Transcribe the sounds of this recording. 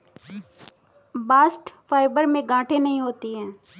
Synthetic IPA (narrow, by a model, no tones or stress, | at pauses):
baːsʈpʰaːɪbəɾmẽɡãːʈʰenəɦĩɦoːt̪iɦɛ̃ː